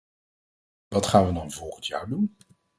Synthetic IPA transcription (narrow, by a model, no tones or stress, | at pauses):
ʋɑtχaːnʋədɑnvɔlˠχəntja̰ːɹdun